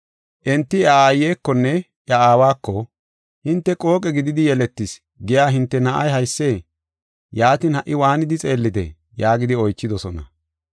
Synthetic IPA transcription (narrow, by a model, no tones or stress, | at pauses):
ʔɛnt̪ːɪɐaːjːeːkːɔnːɛ | ʔjɐaːwaːkːɔ | hɪnt̪ːɛkʼo̞ːkʼɛɡɪd̪ɪd̪ɪjɛlɛt̪ːɪs | ɡɪjaːɦɪnt̪ːɛnɐʔɐjɦɐjsːe̞ː | jaːt̪ɪnhɐʔːɪwaːnɪd̪ɪt͡sʼe̞ːlːɪt̪ɛ̰ | jaːɡɪd̪ɪɔjt͡ʃːɪd̪ɔsɔnɐ̰